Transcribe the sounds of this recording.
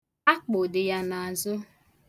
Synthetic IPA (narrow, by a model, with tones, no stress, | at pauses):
a˦k͡po˨dɪ˨ja˦na˨a˨zʊ˦